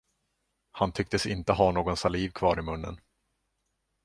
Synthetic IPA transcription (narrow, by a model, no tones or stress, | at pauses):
hant̪ʰʏk̚t̪əsɪnt̪əɦanoːɡɔnsaliːvkʰvɑːɾɪmɵnːə̰n